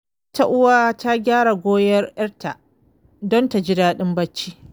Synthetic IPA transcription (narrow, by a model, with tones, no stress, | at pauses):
ta˦ʔʊ˦waː˦ta˦ɡʲaː˦ɽa˨ɡʷoː˦jɐ˦rjɐ˦rta˨ʔ | dɔ˦nta˨d͡ʒɪ˦daː˦ɗɪ˦mbɐ˦t͡ʃːiː˦